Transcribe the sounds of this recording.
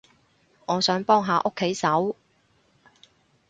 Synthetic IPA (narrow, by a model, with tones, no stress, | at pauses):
ŋɔː˨˧sœː˨˥ŋpɔː˥ŋɦaː˧ʔo˥kʰːe˨˥jsɐ˨˥w